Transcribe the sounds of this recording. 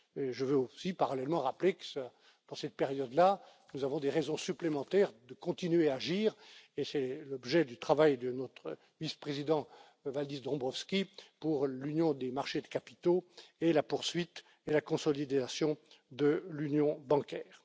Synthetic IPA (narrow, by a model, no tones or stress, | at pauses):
eʒəvøosipaʁalɛlmɑ̃ʁaplekə̥s | d̪̥ɑ̃sɛt̪̚peʁjɔd̪la | nuzavɔ̃d̪eʁɛzɔ̃syplemɑ̃t̪ɛʁd̪əkɔ̃t̪inɥeaʒiːʁesɛlɔbʒɛd̪yt̪χavajd̪ənɔt̪χə | vispχezid̪ɑ̃ | vald̪isd̪ʁɔ̃bʁɔfskʲipuʁlynjɔ̃d̪emaʁʃed̪əkapi̥t̪oelapuʁsɥit̪ | elakɔ̃sɔlid̪asjɔ̃d̪əlynjɔ̃bɑ̃kʲɛːʁ